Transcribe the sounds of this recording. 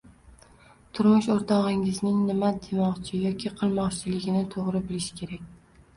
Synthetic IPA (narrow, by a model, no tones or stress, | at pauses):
t̪ʰʊɾmʊʃoɾt̪ʰɒʁɪŋɪznɪŋnɪmad̪emɒqt͡ʃʰɪjɒkʲʰiqʰɨlˠmɒqt͡ʃʰɪlɪɡʲɪnɪt̪ʰoʁɾɪbɪlɪʃkʲʰe̞ɾakʲ